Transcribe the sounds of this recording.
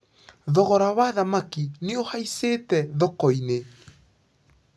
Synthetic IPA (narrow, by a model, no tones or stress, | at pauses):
ðɔɣɔɾawaðamakineohaisetɛðɔkɔine